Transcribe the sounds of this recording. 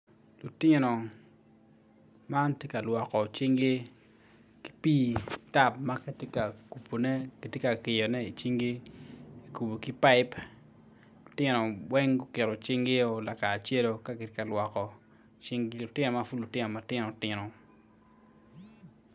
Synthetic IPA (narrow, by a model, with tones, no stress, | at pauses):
lu˨tɪ˦nɔ˨ | ma˦ntje˦ka˨lwɔ˨kɔ˨t͡ʃi˦ŋɡe˦ | ki̥˦piː˦ta˦p̚ma˦kɛ˦tje˦ka˨ku˨pʰo˨nɛ˦ki˨tje˦ka˨kɪ˨jɔ˨nɛ˦i˨t͡ʃi˦ŋɡe˦i˨ku˨bo˨ki˦pa˦ɪ˦p | lʊ˨tɪ˦nɔ˨wɛ˦ŋɡʊ˦kɪ˨ɾɔ˨t͡ʃi˦ŋɡe˦o˨la˨ka˨t͡ʃe˦lo˦ka˦kɪ˨te˦ka˨lwɔ˨kɔ˨ | t͡ʃi˦ŋɡlʊ˨tɪ˦nɔ˨ma˦fu˦lʊ˨tɪ˦nɔ˨ma˦tɪ˦nɔ˨tɪ˦nɔ˨